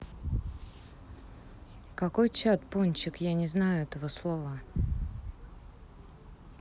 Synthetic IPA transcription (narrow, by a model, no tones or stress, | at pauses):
kɐko̞jt͡ɕat̪ponʲt͡ɕɪkjanʲɪznajʊɛt̪əvəslˠovə